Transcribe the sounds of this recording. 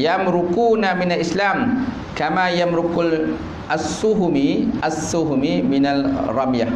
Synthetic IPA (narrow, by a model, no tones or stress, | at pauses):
jamɾʊkuːnamɪnalʔislaːm | kamajamɾʊkl | ʔasːuɦmiʔasːuɦmimɪnalrˤɑmja